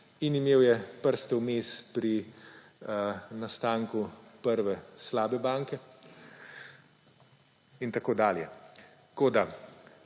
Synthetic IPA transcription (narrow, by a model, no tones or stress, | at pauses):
inimeːwjɛpəɾst̪ɛwmeːspɾi | nast̪aːŋkupəɾʋɛslaːbɛbaːŋkɛ | int̪akoːd̪aːljɛ | koːd̪a